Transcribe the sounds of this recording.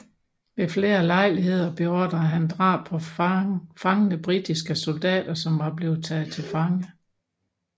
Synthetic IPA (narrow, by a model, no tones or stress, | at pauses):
mefle̝ːɐlɑ̈ɪ̰liɦe̝ð̞̰ˠɐb̥e̝ɒd̥ɐɦænd̥ʁɑ̰̥̈ːpʰɒ̽ | fɑ̈ŋənəb̥ʁid̥isɡ̥əso̝ld̥ɛ̰ːd̥ɐsɒ̽mʋɑ̈ble̝ːð̩ˠt͡sʰɛð̩ˠt͡sʰe̝lfɑ̈ŋə